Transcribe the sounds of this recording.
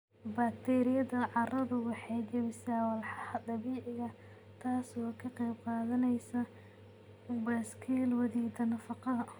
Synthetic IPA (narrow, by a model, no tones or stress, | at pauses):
bɐk̚t̪ʰɛːɾɪjɐðɐʕɑrɐðʊwɑħɑjd͡ʒɐβɪsaːwɐlħɑhɐd̪ɑβiːʕɪɣɐ | t̪ʰaːsɔːkʰɐqɛjb̚qɑːðɐnɛjsɐ | bɐskʰiːlwɐðiːd̪ɐnɐfɑqɑðɐ